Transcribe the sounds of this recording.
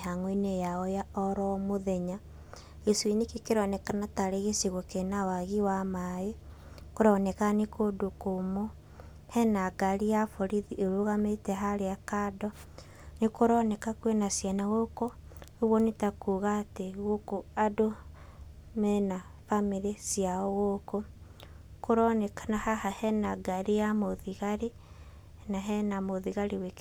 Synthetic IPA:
haŋoinejaɔjaɔɾɔmoðɛɲa | eswinekekeɾɔnɛkanataɾeɣesiɣokenawaɣiwamae | koɾɔnɛkanekodokomo | hɛnaɡaɾijafoɾiðiʔeɾoɣametɛɦaɾeakadɔ | nekoɾɔnɛkakwenasjanaɣokooβwonetakuːɣateɣokoado | mɛna | famiɾesijaɔɣoko | koɾɔnɛkanahahahɛnaɡaɾijamoðiɣaɾi | naɦɛnamoðiɣaɾiwek

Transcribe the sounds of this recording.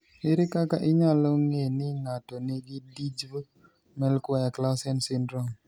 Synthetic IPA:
heɾɪkakaʔɪɲalɔŋenɪŋatɔnɪɡɪdid͡ʒo | mɛlkwaɛklawsɛnsɪndɾɔŋ

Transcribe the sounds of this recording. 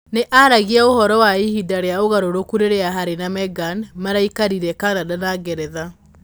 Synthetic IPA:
neʔaɾaɣiaohɔɾɔwaihidaɾeaoɣaɾoɾokuɾeɾeaɦaɾenamɛɡanmaɾaikaɾiɾɛkanadanaɡɛɾɛða

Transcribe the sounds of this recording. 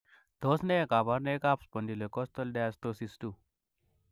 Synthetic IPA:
d̪ɔsnekabaɾnekapspənd̪ilokɔst̪ɔlɖast̪osistu

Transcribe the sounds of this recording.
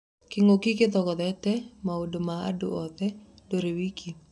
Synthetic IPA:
kɪŋokikɪt̪ɔkɔt̪ɛtɛmaodomaa̰duʔɔt̪ɛ | doɾiwikʰi

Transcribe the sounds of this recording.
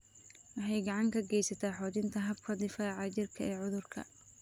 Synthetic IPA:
wɑħɑjɡɑʕɑŋkʰɐɡɛjsɐt̪ʰaːħɔːt͡ʃɪnt̪ʰɐɦɐbkʰɐd̪ɪfaːʕɑt͡ʃɪrkʰɐʔɛːʕʊðʊrkʰɐ̰

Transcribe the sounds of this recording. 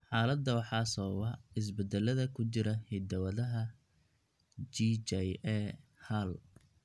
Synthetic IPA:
ħɑːlɐd̪ɐwɑħɑːsɔːwɐɪs̬bɛd̪ɛlɐðɐkʰʊt͡ʃɪɾɐhɪd̪ɐwɐðɐɦɐ | d͡ʒit͡ʃɛjɛhɐl

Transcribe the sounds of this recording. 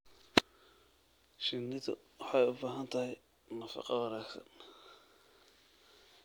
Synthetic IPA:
ʃɪnːɪðʊ̰wɑħɑjʊbaːɦɐnt̪ʰɐhɪj | nɐfɑ̰qɑwɑnaːksɐ̰n

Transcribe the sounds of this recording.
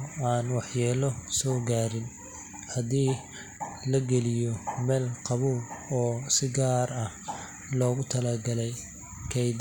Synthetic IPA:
aːnwɑħjɛːlɔsɔːɡaːɾɪn | hɐdiː | lɐɡɛlɪjɔmɛːlqɑβuːbɔːsɪɡaːrɐh | lɔːɣʊt̪ʰɐlɐɡɐlɛj | kʰɛjd̪

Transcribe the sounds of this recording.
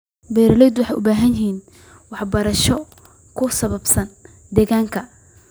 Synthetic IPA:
bɛːɾɐlɛjd̪wɑħɑjʔʊbaːɦɐnjɪɦiːn | wɑħbɐɾɐʃɔ | kʰʊsɐβɐbsɐn | d̪ɛːɣaːŋkʰɐ

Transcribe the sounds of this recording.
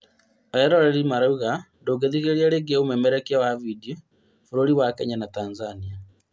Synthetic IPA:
ajɛɾoɾeɾimaɾauɣandoɡeðiɣeɾiaɾeɡeomemeɾɛkawavidio | fuɾoɾiwakɛɲanatanzania

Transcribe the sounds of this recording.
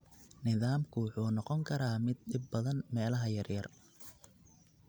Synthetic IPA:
nɪðaːmkʰʊwʊħuːnɔqɔŋkʰɐɾaːmɪd̪̚ɖɪbːɐðɐnmɛːlɐɦɐjɐrjɐr

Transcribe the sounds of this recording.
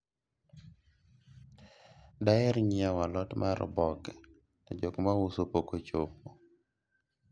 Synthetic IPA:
daɛɾɲɪawalɔtmaɾ̰bɔɡ | nɔd͡ʒokmawusopokot͡ʃopo

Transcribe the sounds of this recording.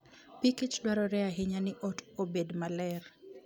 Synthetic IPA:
pikɪt͡ʃdwaɾɔɾɛaɦɪɲanɪʔɔtobedmalɛr

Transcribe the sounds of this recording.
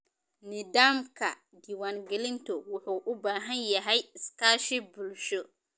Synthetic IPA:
nɪdaːmkʰɐ̰ | d̪iːwaːŋɡɛlɪnt̪ʰɔwʊħuːʔʊbaːɦɐnjɐɦɛjɪskʰaːʃɪbʊlʃɔ

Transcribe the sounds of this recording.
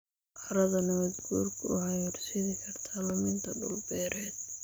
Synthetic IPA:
ʔɑɾɐðɐnɐɐd̪ɡuːrkʰʊʊʕɑjirsɪðɪkʰɐrt̪ʰɐlɐmɪnt̪ʰɐdʊ̰lbɛːɾʔɛːd̪̚

